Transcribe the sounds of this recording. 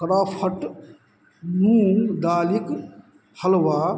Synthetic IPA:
kɐɾaːpʰɐʈ | nuːnd̪aːlik | hɐlʋaː

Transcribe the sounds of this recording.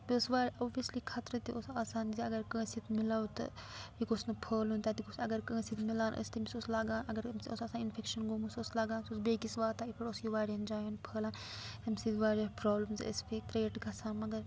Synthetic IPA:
b̪osʋaːɾʲoːbʋiɐslikʰaːt̪ɾɐt̪iosaːsaːnziɐɡɐɾkə̃ːsit̪ʰmilaːwt̪ɐ̰jikosnɐpʰəːlunt̪aːt̪ikosɐɡɐɾkə̃ːsit̪milaːnʔə̰st̪imisoslaːɡãːnɐɡɐɾmsosaːsaːninfʰekʃɐnɡoːmusoslaːɡãːnsosbeːkisʋaːt̪aːipʰɐʈosjuʋaːɾɐnd͡ʒaːjunpʰəːlaːn | t̪ɐmʲsid̪ʋaːɾɐpɾɔːbləmzə̰sfʰekɾeːʈɡɐsaːnmɐɡɐɾ

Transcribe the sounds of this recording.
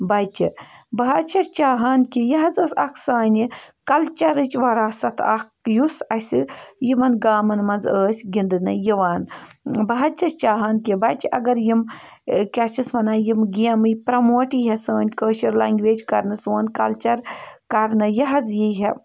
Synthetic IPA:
bɐjt͡ʃibɐɦɐt͡ʃʰɐt͡ʃaːɦaːnkijɐɦɐzəːsɐ̰kʰsaːnʲikɐlt͡ʃɐɾɨt͡ʃʲʋɐɾaːsɐt̪ʰɐkjusɐsʲɨjimɐnɡaːmɐnmɐnzəːsʲɡind̪ɨnɐjiʋaːnbɐɦɐt͡ʃʰɐst͡ʃaːɦaːnkibɐt͡ʃiʔɐɡɐɾjim | kʲɐt͡ʃʰisʋɐnaːjimɡijɐmɨjpɾɐmoːʈiɦɐsəːnʲkəːʃɐɾlaːŋɡʲʋeːd͡ʒʲkɐɾnɨsoːnkɐ̰lt͡ʃɐɾkɐɾnɨjɐɦɐzjiɦe

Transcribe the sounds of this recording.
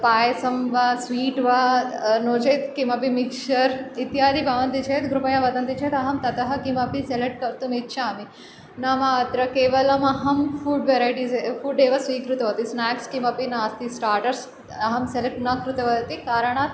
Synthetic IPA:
paːjɐsɐmʋasʋiːʈʋanoːt͡ʃɐjt̪kimɐpimikʃɐɾit̪jaːd̪ibʱɐʋɐnt̪it͡ʃʰeːt̪ɡɾupɐjaʋɐd̪ɐnt̪it͡ʃʰeːt̪ɐɦɐmt̪ɐt̪ɐɦɐkimɐpiseleʈ̚kɐɾt̪umikːʃʰaːmi | nɐmaɐt̪ɾɐkeːʋɐlɐmɐɦɐmfuːɖʋeɾaːjʈisefuːɖeːʋɐsʋiːkɾut̪ɐʋɐt̪isnaːkskimɐpinaːst̪isʈaːɾʈɐɾs | ɐɦɐmseleʈnakɾut̪ɐʋɐd̪ɐt̪ikaːɾɐɳ̃aːt̪

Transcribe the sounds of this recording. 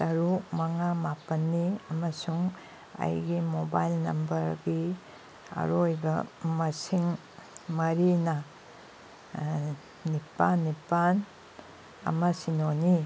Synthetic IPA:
tɐɾumɐŋamapɐnːiɐmɐsuŋ | a̰jɡimobajlnɐmbɐɾɡi | ɐ̰ɾojbɐmɐsiŋ | mɐɾinɐ | nipanːipan | ɐ̰mɐsinoni

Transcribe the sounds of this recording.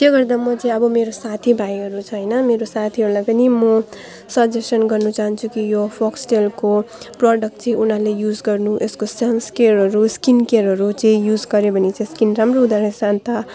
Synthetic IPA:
t̪jaɡʌrd̪amʌt͡sʌĩʌbʌmeɾosat̪ʰibʱajɦʌɾut͡sʰʌʌjnʌmeɾosat̪ʰiɦʌɾulajpʌnimʌ | sʌd͡zesʌnɡʌrnut͡saɦʌnt͡sʰukijopʰoksʈelko | prʌɖʌk̚ʈt͡sẽĩunalejud͡zɡʌrnuʔeskosanskeɾɦʌɾuskinkeɾɦʌɾut͡sẽĩjud͡zɡʌɾebʱʌnit͡sʌ̃ĩskinramroɦud̪aɾesant̪a

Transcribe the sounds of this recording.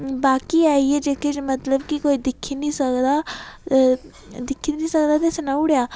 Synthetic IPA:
baːkiaːied͡ʒeked͡ʒmɐt̪ləbkikoːid̪ɪkʰinisɐkd̪a | d̪ɪkʰit̪nisɐkd̪at̪esenaʊɽjaː

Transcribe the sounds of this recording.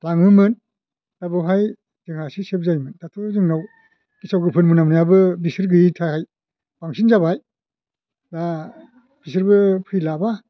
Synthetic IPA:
laŋɯmɯn | dabɯwɦaj | z̥ɯŋhasisep̚zajmɯntatʰozɯŋnaw | kisawɡɯpʰɯnmɯnamniabɯbisɯɾɡɯitʰahaj | baŋsʰinzabaj | da | b̥isɯɾbɯpʰɯjlaba

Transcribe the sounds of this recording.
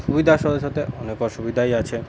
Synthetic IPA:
ʃubid̪ʱaʃɔd̪oʃot̪eʔɔnekɔɾʃubid̪ʱajat͡ɕʰe

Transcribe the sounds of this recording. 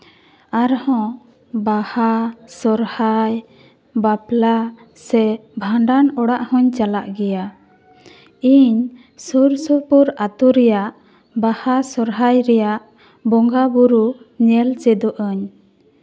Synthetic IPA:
aɾhɔ̃ | bahasɔɾhaj | bapla | sɛbʱaɳɖanɔɽaʔhɔ̃ɲt͡ʃalaʔɡɛja | iɲ | suɾsɔpuɾat̪uɾɛjaʔ | bahasɔɾɦajɾɛjaʔ | bɔŋɡabuɾuɲɛlt͡ʃɛd̪ɔʔəɲ

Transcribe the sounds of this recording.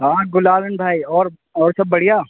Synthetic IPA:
ɦãːɡʊlaːlənbʱaːiɔːɾ | ɔːɾsɐbːɐɽijaː

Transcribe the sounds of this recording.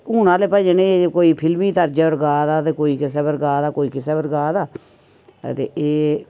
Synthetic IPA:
uːnãːleːpəd͡ʒeːnẽːekoːiːpʰɪlmiːt̪əɾd͡ʒeəɾɡaːd̪aːt̪eːkoːiːkɪsɛːbəɾɡaːd̪aːkoːiːkɪseːbəɾɡaːd̪a̰ː | t̪ḛːʔeː

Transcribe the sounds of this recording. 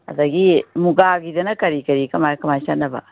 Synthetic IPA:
ɐ̰t̪aɡimuɡaɡidɐnɐkɐɾikɐɾikɐmakɐmaʃanɐba̰

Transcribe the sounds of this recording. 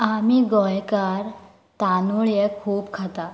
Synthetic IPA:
amiɡɔjkaɾ | t̪anuɭjekʰuːbkʰat̪a

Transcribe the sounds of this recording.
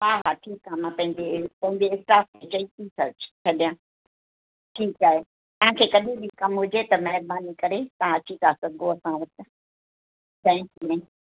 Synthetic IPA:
ɦaːɦaːʈʰiːkaɦmãːpɐ̃ɦɪ̃ɲd͡ʑepɐ̃ɦɪ̃ɲd͡ʑeɪsʈaːstʰet͡ɕɐit̪isɐɾt͡ɕt͡ɕʰɐɗijãː | ʈʰiːkaːɦe | t̪ɐʋ̤ãkʰeːkɐɗʱebikɐmɦʊd͡ʑet̪ɐmɐɦɪɾbaːnikɐɾet̪ɐʋ̤ãɐt͡ɕit̪aːsɐɡõɐsãʋɐt̆ | t̪ʰɛ̃kunɛ̃

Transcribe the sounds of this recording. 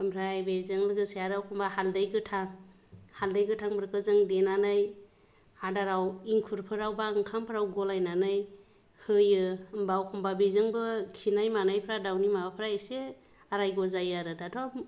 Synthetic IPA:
ɯmɾajbezɯŋlɯɡɯsejaɾawkʰɔmbahaldajɡɯtʰaŋ | haldajɡɯtʰaŋbɯɾkɯzɯŋdenanaj | hadaɾawiŋkʰuɾpʰɯɾawbaɯŋkʰampʰɯɾawɡɔlajnanɯj | hɯjɯɯmbawkʰɔmbabezɯŋbɯkʰinajmanajpʰɾadawnimabapʰɾaese | aɾajɡɔzajaɾɯdatʰɔm

